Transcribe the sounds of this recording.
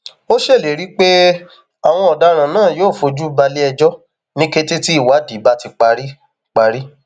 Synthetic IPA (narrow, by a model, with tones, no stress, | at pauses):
o˦ʃe˦˨le˨˦ɾi˨˦k͡pe˦ | a˨w̃ɔ̃˧ɔ˨da˦ɾ̃ã˨nãː˦˨joː˦˨fo˧d͡ʒu˦ba˧li˦ɛ˧d͡ʒɔ˦ | nĩ˦ke˧te˦ti˦i˦˨wa˨˦di˨˦ba˦ti˧k͡pa˧ɾi˦ | k͡pa˧ɾi˦